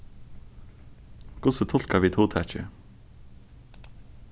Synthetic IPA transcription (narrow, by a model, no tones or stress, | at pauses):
ɡ̥ʊsət̪ʰɔlkɑʋiːt̪ʰuːt̪ʰæt͡ʃə̰